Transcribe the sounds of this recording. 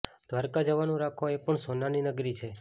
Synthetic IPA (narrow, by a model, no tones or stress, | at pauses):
d̪̥ʋaɾkad͡ʒəʋanũɾakʰoepəɳsonaninəɡɾit͡ʃʰe